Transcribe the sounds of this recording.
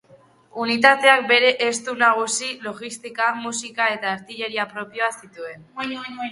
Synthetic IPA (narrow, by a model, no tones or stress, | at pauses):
unit̪at̪e̞ak̚be̞ɾe̞ʔest̪unaɣ̞usilo̞ɣist̪ikamusikae̞t̪aːɾt̪iʎe̞ɾiapɾo̞pjoasit̪ue̞n